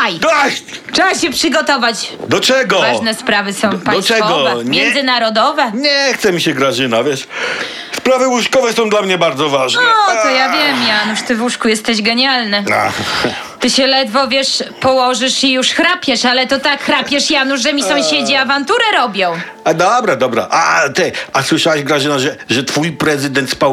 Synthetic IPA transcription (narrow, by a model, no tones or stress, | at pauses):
ajd̪ɔɕt͡ʂɛaɕɛpʂɨɡɔt̪ɔvat͡ɕd̪ɔt͡ʂɛɡɔvaʐnɛspɾavɘsɔ̃w̃paɔt͡ʂɛɔɡɔvɛmʲjɛndzɘnaɾɔd̪ɔvɛɲɛxt̪sɛmʲiɕɛɡɾaʐɘnavʲjɛʂ | spɾavɘwuʂkɔvɛsɔ̃w̃d̪lamɲɛbaɾd̪zɔvaʐnɛt̪ɔjavʲjɛmjanuʂt̪ɘvwuʂkujɛst̪ɛʑɡɛɲalnɛa̰ | t̪ɘɕɛlɛd̪vɔvʲjɛʂpɔwɔʐɘʂijuʂxɾapʲjɛʂalɛt̪ɔt̪akxɾakpʲjɛʂjanuʐʐɛmʲisɔ̃w̃ɕed͡ʑiavant̪uɾɛɾɔbʲjɔ̃w̃ | ad̪ɔbɾad̪ɔbɾa̰ʔa̰t̪ɛaswɘʂawɛʑɡɾaʐɘnaʐɛʐɛt̪fujpɾɛzɨd̪ɛnt̪spa